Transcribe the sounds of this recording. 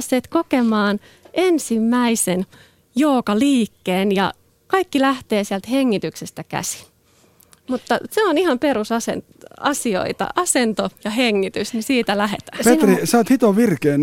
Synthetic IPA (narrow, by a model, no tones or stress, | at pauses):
sːeːt̪kokemɑːn | ensimːæisen | joːkɑliːkːeːnjɑ̰ | kɑikːilæht̪eːsiælt̪heŋːit̪yksest̪ækæ̰si̥ | mut̪ːɑseonihɑmpeɾusɑse | ɑsio̰it̪ɑ̰ʔɑsent̪ojɑɦeŋːit̪ysnisiːt̪ælæɦḛt̪æ̥ːpet̪risɑːt̪hit̪oʋirkeːn